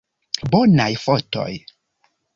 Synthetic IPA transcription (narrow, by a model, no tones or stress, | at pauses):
bɔnajfɔtɔ̰j